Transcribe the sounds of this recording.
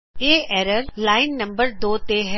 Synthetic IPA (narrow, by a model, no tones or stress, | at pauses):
eːɛːɾəɾlaːɪnːɐ̃mbəɾd̪oːt̪eɦɛ